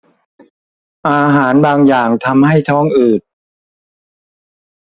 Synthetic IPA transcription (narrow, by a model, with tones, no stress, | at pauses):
ʔaː˧ɦaː˩˦nbaː˧ŋjaː˨˩ŋt̪ʰa˧mha˥˩jt̪ʰɔː˦˥˩ŋʔɯː˨˩t̪̚